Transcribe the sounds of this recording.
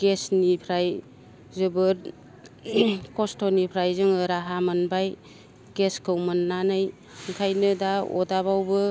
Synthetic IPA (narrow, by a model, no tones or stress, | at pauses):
ɡ̥esnipʰɾaj | zɯbɯɾ | kɔstonipʰɾajzɯŋɯɾaɦamɯnbaj | ɡeskʰɯwmɯnːanɯj | ŋkʰajnɯdaɔ̰daβawbɯ